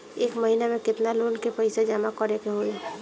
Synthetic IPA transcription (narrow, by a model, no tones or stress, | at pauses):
eːkməɦinamẽkɪt̪naloːnkepəɪsed͡ʒamakəɾekeɦoe